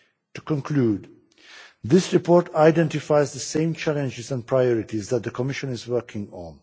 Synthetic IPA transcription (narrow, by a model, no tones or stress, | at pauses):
tu̥kə̃nkʰluːd | ðɪsɹɨpʰɔɹtaɪdɛ̃ntɪfaɪzðəsẽɪ̃mt͡ʃʰælə̃nd͡ʒɪzæ̃n̚pʰɹaɪɔɹɪtizðæt̪̚ðəkʰəmɪʃə̃nɪzwɜ˞kʰɪ̃ŋə̰̃n